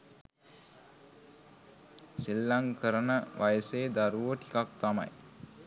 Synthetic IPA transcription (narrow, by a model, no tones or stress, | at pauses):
silːaŋkəɾənəʋajəseːd̪aɾuʋəʈi̥kak̚t̪ama̰j